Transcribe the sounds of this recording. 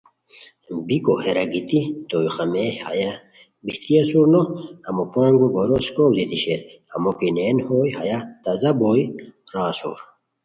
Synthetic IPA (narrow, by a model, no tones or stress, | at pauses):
bikoheɾɐɡit̪it̪ojxameha̰ja | biht̪ijɐsuɾnohɐmopaːŋɡuɡoɾoskowlit̪iɕeɾhɐmokinenhoːjɦajat̪ɐzɐbojɾaːsṵɾ